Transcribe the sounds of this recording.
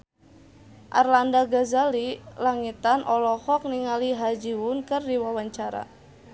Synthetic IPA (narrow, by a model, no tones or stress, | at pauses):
ʔa̰rlandaɡazalilaŋit̪anʔɔlɔhɔk̚niŋaliɦad͡ʒiwʊnkɨrdiwawaɲt͡ʃaɾa̰